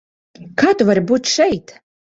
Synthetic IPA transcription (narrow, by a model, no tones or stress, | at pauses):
kaːt̪uvaɾʲbuːt̪ʃɛjt̪